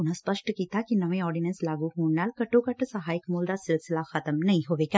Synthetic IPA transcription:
ʊnɦãspɐʃʈkiːt̪akinɐʋẽɔːɾɖɪnə̃nslaːɡuɦũːnnaːlkɐʈːõkɐʈʰsɐɦaːɪkmoːld̪asɪlsɪlaxɐt̪əmnɐɦĩɦoːʋeːɡa

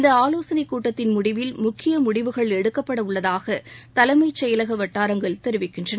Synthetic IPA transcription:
ɪnd̪ɐaːloːsɐnɐɪkːuːʈːɐt̪ːɪnmʊɽɪʋɪlmʊkʰːɪjɐmʊɽɪʋɯɣɐɭɛɽɯkːɐpːɐɽɐʊɭːɐðaːɣɐt̪ɐlɐɪmɐɪt͡ʃːɛjɐlɐɣɐʋɐʈːaːɾɐŋɡɐɭt̪ɛɾɯʋɪkːɪndrɐnɐ

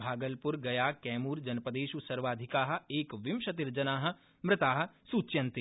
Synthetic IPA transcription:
bʱaːɡəlpʊɾɡɐjakɛːmuːɾd͡ʒɐnpəd̪eːʃusɐɾʋaːd̪ʱɪkaːɦeːkʋɪmʃɐt̪ɪɾd͡ʒənaːɦ | mɾɪt̪aːɦsuːt͡ʃjɐ̃nt̪i

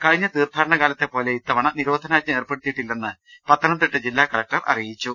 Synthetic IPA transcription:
kɐɻiɲːɐt̪iːrd̪ʱaːɾɐɳɐkaːlɐt̪ːe̞po̞ːle̞it̪ːɐʋɐɳɐniɾo̞ːd̪ʱɐnaːɐe̞ːrpe̞ɽit̪ːijiʈːilːenːɨpɐt̪ːɐnɐmt̪iʈːɨd͡ʑilːaːkɐɭɐk̚ʈɐrʔɐ̰rijit͡ɕːu

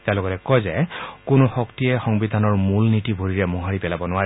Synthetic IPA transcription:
tɛaloɡɔtɛkɔjzɛkʊnʊxɔktiɛxɔŋbid̪ʱanɔɹmulnitibʱoɹiɹɛmɔɦaɹipɛlabɔnʊaɹɛ

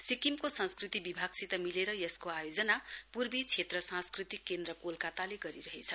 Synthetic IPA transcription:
sikimkosʌ̃nskrit̪ibibʱaɡsit̪ʌmileɾʌjʌskoajod͡zʌnapurbit͡sʰet̪rʌsãskrit̪ikːend̪rʌkolkat̪aleɡʌɾiɾʌɦet͡sʰʌ

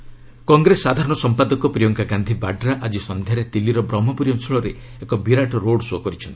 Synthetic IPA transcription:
kɔŋɡɾesad̪ʱaɾɔɽ̃ɔsɔmpad̪ɔkɔpɾijɔŋɡaɡand̪ʱibaɖɾaʔad͡ʒisɔnd̪ʱjaɾet̪ilːiɾɔbɾɔmɔpɔɾijɔnsɔɭɔɾe | ekɔbiɾaʈɔɾoɽsɔkɔɾit͡ʃʰɔnt̪i̥

